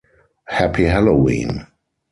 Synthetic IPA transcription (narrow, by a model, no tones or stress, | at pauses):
hæpʰiɦɛlowḭ̃ːn